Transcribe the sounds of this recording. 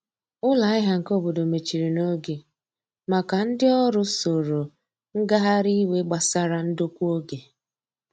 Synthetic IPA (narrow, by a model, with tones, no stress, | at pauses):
ʊ˦la˨˦ɪ˦ɦa˦ŋ̩˨ko˦bo˨do˨me˨t͡ʃi˨ɾi˨no˦ɡe˨ | ma˨ka˨n̩˦dɪ˦ɔ˦ɾʊ˦so˨ɾo˨ | ŋ̩˦ɡa˦ɦa˦ɾi˦we˦ɡ͡ba˨sa˦ɾa˦n̩˦do˦kʷu˦o˦ɡe˨